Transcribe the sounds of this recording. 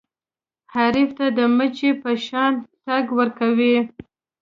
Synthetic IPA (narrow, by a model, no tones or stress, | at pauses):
haɾift̪ad̪əmət͡ʃepəʃɑntaɡwəɾkawi